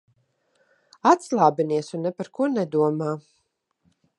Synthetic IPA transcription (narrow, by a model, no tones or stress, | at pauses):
at̪slˠaːbiniɛsunːɛpaɾkuɔnɛd̪uɔmaː